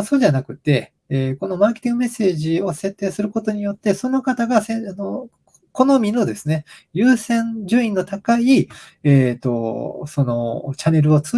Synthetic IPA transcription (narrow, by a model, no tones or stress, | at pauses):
so̞ːʑanakɯ̟t̪ːe̞ | eːko̞no̞maːkʲet̪ʲĩŋɡɯ̟me̞sːe̞ːʑio̞se̞t̪ːe̞ːsɨɾɯ̟ko̞t̪o̞ɲ̟ijo̞t̪ːe̞so̞no̞kat̪aɡaseano | ko̞no̞mʲinod̪e̞sɨne̞jɯ̟ːsẽ̞ɲd͡ʑɨĩnːo̞t̪akai | eːt̪ːo̞so̞no̞t͡ɕane̞ɾɯ̟o̞t͡sɨ